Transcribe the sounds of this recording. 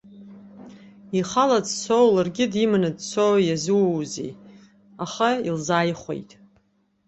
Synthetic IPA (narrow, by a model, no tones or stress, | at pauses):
iχalad͡zt͡sʰowlarɡʲɪdimanɨdt͡sʰowjazɨwwzḛj | aχailzaːjχʷḛjtʼ